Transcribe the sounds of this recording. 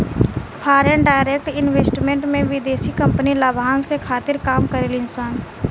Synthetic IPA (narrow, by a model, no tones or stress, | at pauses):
pʰaːɾəɳɖaːɪɾeːk̚ʈɪnʋeːsʈmẽɳʈmẽʋɪd̪eːsikɐ̃mpnilabʱãːnskekʰaːt̪ɪɾkaːmkəɾeːlɪnsaːn